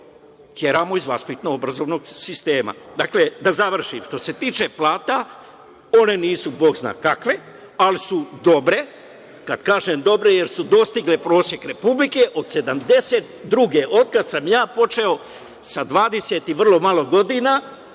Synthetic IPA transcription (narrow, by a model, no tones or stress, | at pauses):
t̪jeɾaːmoizʋaspit̪noobɾazo̞ːʋno̞ɡsist̪e̞ːma̰d̪akle̞d̪azaʋr̩ʃḭmʃt̪o̞se̞t̪iːt͡ʃe̞plaːt̪a | o̞ne̞niːsubo̞ːɡzna̰ːkakʋe̞ | alisud̪o̞bɾe̞ | kad̪̥kaːʒemd̪o̞bɾe̞jeɾsud̪o̞st̪iɡlepɾo̞ːsje̞kɾe̞publikeʔo̞d̪se̞d̪amd̪e̞set̪d̪ɾuɡeʔo̞d̪kad̪samjaːpo̞t͡ʃe̞o̞ | sad̪ʋaːd̪eset̪iʋr̩lˠo̞malˠo̞ɡo̞d̪ina